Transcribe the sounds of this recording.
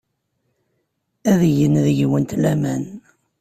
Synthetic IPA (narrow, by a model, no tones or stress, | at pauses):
æðʝənðəʝwənt̪læmæn